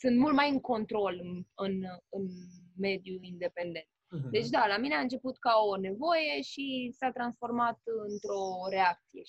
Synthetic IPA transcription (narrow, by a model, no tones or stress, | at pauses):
sɨnt̪mult̪majɨŋko̞nt̪ɾo̞lɨnɨnme̞d̪juind̪e̞pe̞nd̪e̞nt̪̚d̪e̞t͡ʃd̪alamineaɨnt͡ʃe̞put̪kao̞ne̞vo̞je̞ʃisat̪ɾansfo̞rmat̪ɨnt̪ɾo̞ɾe̞ak̚t̪sijḛ